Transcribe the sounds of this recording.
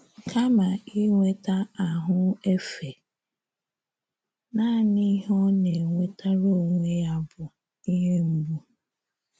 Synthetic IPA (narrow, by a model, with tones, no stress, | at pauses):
kʰa˦ma˨i˦ŋʷe˦ta˦a˨ɦʊ˦e˦fe˨ | na˦˨ni˦ɦɔ˦ne˨ŋʷe˦ta˦ɾo˦˨ŋʷe˦ja˦bʊ˨ | i˦ɦe˦m̩˦bu˦